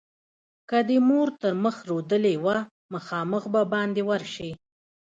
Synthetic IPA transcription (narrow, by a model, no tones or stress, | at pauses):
kad̪əmoɾt̪əɾməxɾod̪əlewa | maxɑməxbabɑnd̪ewaɾʃi